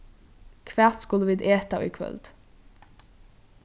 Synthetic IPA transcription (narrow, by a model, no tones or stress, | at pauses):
kʰʋæːʁt̪skʊləʋɪd̪eːt̪ɑḭːkʰʋœ̰ld̪̥